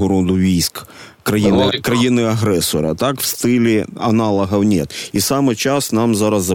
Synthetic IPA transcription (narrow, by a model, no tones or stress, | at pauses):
ɔɾɔd̪ʊʋʲijsk | kɾɐjinɪkɾɐjinɨɐɣɾɛsɔɾɐ̰t̪akw̥st̪ɪlʲɪɐnalˠɐɦɐwnʲet̪isamɨt͡ɕasnamzaɾɐzɐ